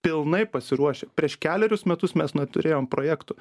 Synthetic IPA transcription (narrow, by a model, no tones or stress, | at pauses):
pʲɪlˠnɐɪpɐsʲɪɾuɔʃʲɛpʲɾʲiɛʃkʲæːlʲɛɾʲʊsmʲɛt̪ʊsmʲɛsnɛt̪ʊ̰ɾʲʔeːjoːmpɾoːjæːkt̪ʊ